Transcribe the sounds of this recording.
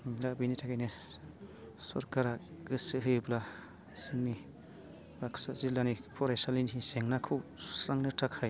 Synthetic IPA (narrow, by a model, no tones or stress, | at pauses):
labinitʰakajne | sɔ̰ɾkaɾaɡɯsɯɦɯjbla | siŋni | baksazilanipʰɔɾasalinɦiseŋnakʰɯwsu̥sɾaŋnɯtʰakʰːaj